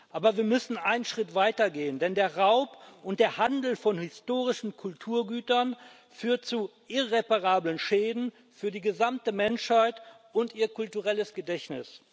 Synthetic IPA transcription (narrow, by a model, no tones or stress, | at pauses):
ʔaːbɐviːɐmʏsn̩ʔaɪnənʃʁ̥ɪtv̥aɪtɐɡeːəndɛndeːɐʁaʊpʔʊnt̚d̥eːɐhandl̩fɔnhɪstoːʁɪʃn̩kʰʊltʰuːɐɡyːtɐn | fyːɐt̚t͡suʔɪʁepaʁaːblənʃeːdn̩ | fyːɐdiːɡəzamtəmɛnʃhaɪt | ʊntʔiːɐkʰʊltuʁɛləsɡ̥ədɛçnɪ̰s